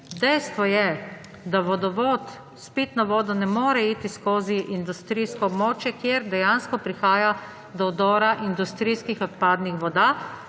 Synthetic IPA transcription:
d̪ɛjst̪ʋɔjɛ | d̪aʋɔd̪ɔʋɔːt̪ | spit̪naʋɔːd̪ɔnɛmoːɾɛiːt̪iskoːziʔind̪ust̪ɾiːskɔːbmoːt͡ʃjɛkjeɾd̪ɛjanskɔpɾixaːja | d̪ɔɔd̪ɔːɾaʔind̪ust̪ɾiːskixɔt̪̚paːd̪nixʋɔd̪a

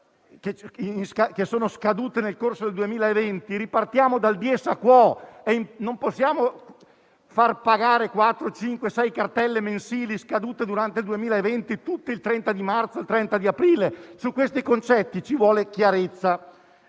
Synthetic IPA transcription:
keinskakesːoːnoskad̪uːt̪enelkorsod̪eld̪uemiːlaevent̪iɾipart̪jaːmod̪ald̪jɛsakwɔɛimnomposːjaːmo | farpaɡaːɾekwat̪ːɾot͡ʃiŋkwesɛjkart̪ɛlːemensiːliskad̪uːt̪ed̪uɾant̪eld̪uemiːlaevent̪it̪ut̪ːeilt̪ɾɛnt̪ad̪imart̪soelt̪ɾɛnt̪ad̪iapɾiːlesukwest̪ikont͡ʃɛt̪ːit͡ʃivwɔːlekjaɾet̪sːa

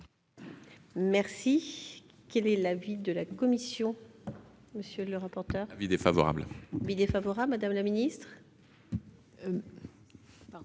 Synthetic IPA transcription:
mɛʁsi | kɛlɛlavid̪əlakɔmisjɔ̃ | məsjøləʁapɔʁt̪œːʁvid̪efavɔ̰ʁa̰blvid̪efavɔʁablmad̪amlaminist̪χ

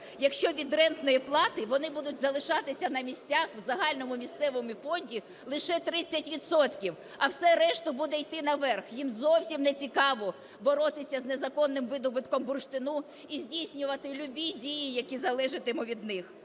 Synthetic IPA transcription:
jɐkʃt͡ʃɔʋʲid̪rɛnt̪nɔjiplˠɑt̪ɪʋɔnɪbud̪ʊtʲzɐlˠɪʃɑt̪ɪsʲɐnɐmʲisʲtʲaxwzɐɦɑlʲnɔmʊmʲist̪sɛʋɔmʊfɔnʲdʲi | lˠɪʃɛt̪ɾɪt͡sʲːɐtʲʋʲit̪sɔt̪kʲiw | ɐwsɛɾɛʃt̪ʊbud̪ɛjt̪ɪnɐʋɛrxjimzɔwsʲimnet͡sʲikɑʋɔ | bɔɾɔt̪ɪsʲɐznezɐkɔnːɪmʋɪd̪ɔbɪt̪kɔmbʊrʃt̪ɪnu | izʲdʲijsʲnʲʊʋɐt̪ɪlʲʊbʲidʲijijɐkʲizɐlˠɛʒɪt̪ɪmʊʋʲid̪nɪx

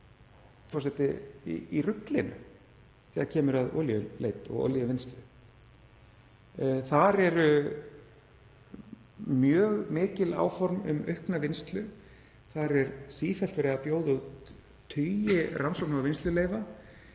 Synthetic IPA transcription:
fɔrsɛt̪ɪḭirʏklɪnʏ̰ | θɛːðaɾcʰɛːmʏɾaðɔ̰ljʏlḛːjt̪ɔ̰ɣɔ̰ljʏvɪnst̪lʏ | θaɾɛɾʏ | mjœːɣmɪːcɪla̰ːwfɔɾmʏ̰mœɥhknavɪnst̪lʏ | θaɾɛɾsiːfɛlt̪fɛɾɪɣapjowðʏu | t̪ʰːʏjɪrʔansɔk̚navvɪnst̪lʏleːjva

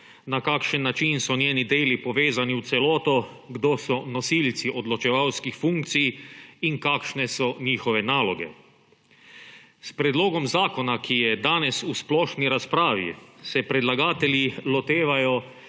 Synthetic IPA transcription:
nakaːkʃənːat͡ʃinsɔnjeːnid̪eːlipɔʋeːzaniwt̪sɛlɔːt̪ɔ | ɡd̪oːsɔnɔsilt̪siʔod̪lɔt͡ʃɛʋawskixfuŋk̚t̪sijiŋkaːkʃnɛsɔɲiːxɔʋɛnaːlɔɡɛ̰ | spɾɛd̪loːɡɔmzaːkɔnakʰijɛd̪aːnɛsusplɔːʃniɾaspɾaːʋḭsɛpɾɛd̪laɡaːt̪ɛlilɔt̪eːʋajɔ

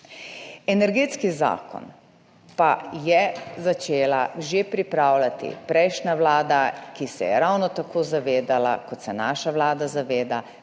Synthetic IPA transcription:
ɛnɛɾɡeːt̪skiza̰ːkɔ̰n | pajɛzat͡ʃeːlaʒepɾipɾaːwlat̪ḭpɾɛjʃnaʋlaːd̪akisɛ̰jɛ̰ɾawnɔt̪akʰoːzaʋeːd̪ala̰kɔt̪sɛnaːʃaʋlaːd̪azaʋeːd̪a

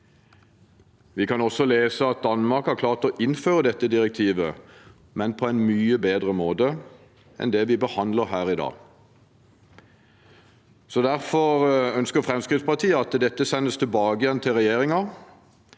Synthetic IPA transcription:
ʋɪkʰɑnɔsɔleːsəɑt̪̚d̪ɑnmɑʁkhæʁkʰlɑːʁt̪ɔʔɪnføːʁəd̪ɛt̪ːəd̪ɪʁɛk̚t̪ʰiːʋə | mɛnpʰɔæɪnmyːəbeːd̪ʁəmoːd̪ə | ɛ̰nd̪ɛʋɪbəhɑnd̪ləʁhæːʁɪd̪ɑ̰ː | sɔd̪æʁfɔʁœnskəʁfʁɛmskʁɪt̪spɑʁt̪ʰiːəɑt̪d̪ɛt̪ːəsɛnːəst̪ʰɪlbɑːɡəjɛnt̪ʰɪlʁɛjeːʁɪŋɑ

